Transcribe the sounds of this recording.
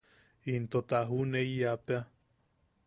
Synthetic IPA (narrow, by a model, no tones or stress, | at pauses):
int̪ot̪aɦuneiapea